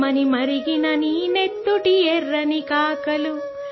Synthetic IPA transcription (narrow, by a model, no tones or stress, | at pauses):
ɐnimɐɾiɡinɐniːnet̪ːuʈieɾːɐnikaːkɐlu